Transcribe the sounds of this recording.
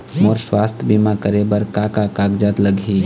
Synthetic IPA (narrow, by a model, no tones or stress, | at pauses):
moːɾswaːst̪ʰbimakəɾebəɾkakakaːɡd͡ʒaːt̪ləɡʱi